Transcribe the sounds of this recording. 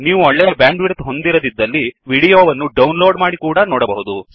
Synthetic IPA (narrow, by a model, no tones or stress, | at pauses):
niːʋuɔɭːɛjɐbjaːɳɖʋiɾt̪ɦo̞nd̪iɾɐd̪id̪ːɐlːiʋiːɽijoːʋɐnːuɖɐwnloːɖmaːɽikuːɽɐnoːɽɐbɐɦud̪u